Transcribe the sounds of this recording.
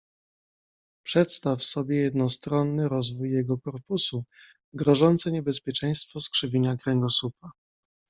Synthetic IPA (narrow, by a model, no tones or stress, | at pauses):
pʂɛt̪st̪afsɔbʲjɛjɛd̪nɔst̪ɾɔnːɘɾɔzvujːɛɡɔkɔɾpusu | ɡɾɔʐɔnt̪sɛɲɛbɛspʲjɛt͡ʂɛ̃j̃st̪fɔskʂɘvʲiɲakɾɛŋɡɔsupa